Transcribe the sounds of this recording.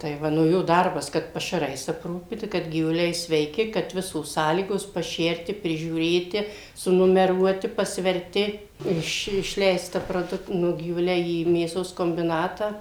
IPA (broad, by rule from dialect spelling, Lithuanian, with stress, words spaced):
tɐɪ ˈʋɐ nʊ ˈjoː ˈdɐrbɐs ˈkɐt pɐʃɐˈrɐɪs ɐpˈruːpʲiːtɐ kɐt ɡʲiːʋʊˈlʲɛɪ sʲʋʲɛɪˈkʲɪ kɐt ˈʋʲɪsoːs ˈsɑːlʲiːɡoːs pɐˈʃʲɛrʲtʲɪ pʲrʲɪʒʲuːˈrʲeːtʲɪ sʊnʊmʲɛˈruɔtʲɪ pɐsʲʋʲɛrʲˈtʲɪ ɪʃ ɪʃʲˈlʲɛɪstɐ proːˈdʊk ˈnʊ ɡʲiːʋʊˈlʲɛɪ iː mʲeːˈsoːs koːmʲbʲɪˈnɑːtɑː